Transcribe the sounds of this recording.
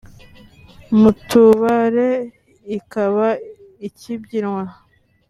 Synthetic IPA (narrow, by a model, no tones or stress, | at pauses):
mutuβaɾe | ikaβa | icibɟiɾŋwa